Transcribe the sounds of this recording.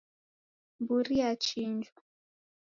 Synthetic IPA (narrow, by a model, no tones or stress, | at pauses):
mbuɾiat͡ʃind͡ʒwa